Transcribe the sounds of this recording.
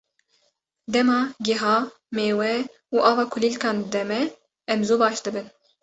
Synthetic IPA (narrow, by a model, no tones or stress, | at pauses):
d̪ɛmɑːɡɛɦɑː | meːwɛ | uːʔɑːvɑːkʰʊliːlkɑːnd̪ɛmɛ | ɛmzoːbɑːʃd̪ɨbɨn